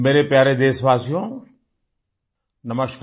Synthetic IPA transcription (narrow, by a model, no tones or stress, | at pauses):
meːɾepjaːɾed̪eːsʋaːsijõː | nɐməʃkʰ